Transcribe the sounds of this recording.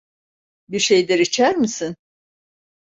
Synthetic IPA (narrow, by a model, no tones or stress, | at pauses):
biɾʃejd̪ɛɾit͡ʃʰæɾmisin